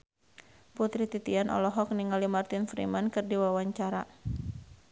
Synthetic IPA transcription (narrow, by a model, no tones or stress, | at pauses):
put̪ɾit̪it̪ianʔɔ̰lɔɦɔkniŋalimart̪infɾimankɨrdiwawaɲt͡ʃaɾa̰